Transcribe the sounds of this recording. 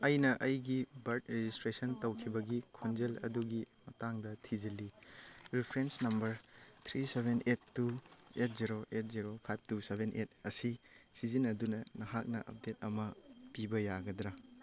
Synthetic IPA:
ɐjnɐʔɐjɡibɐɾt̚ɾed͡ʒistɾesɐntɐwkʰibɐɡikʰond͡ʒelɐ̰duɡimɐtaŋdɐtʰid͡ʒɐliɾipʰɾensnɐmbɐɾt̪ʰɾisebʱenʔetːuet̚ʰziɾoʔet̚ziɾopʰajb̚ʰtusebʱenʔet̚ɐsisizinɐdunɐnɐɦak̚nɐ̰ʔɐ̰p̚det̚ɐmɐpibɐjaɡɐdɾa

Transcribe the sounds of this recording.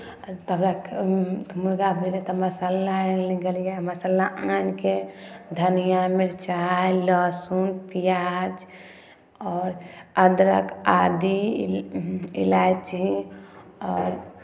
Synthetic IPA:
t̪əbɾak | muɾɡabʱelet̪ɔməsəlːaliɡəljaməsəlaanked̪ʱənijameɾt͡ʃajlɔsunpijad͡ʒ | ɔːɾəd̪ɾə̰kad̪i | ḭlajt͡ʃii | ɔːɾ

